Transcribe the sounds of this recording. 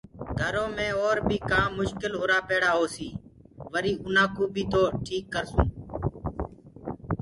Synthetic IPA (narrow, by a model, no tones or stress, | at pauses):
ɡʱəɾõːmẽːoːɾbʱiːkãːmːʊʃkɪloːɾaːpeːɽaːɦoːsiː | ʋəɾiːʔʊnãːkuːbʱiːt̪oːʈʰiːkːəɾsũː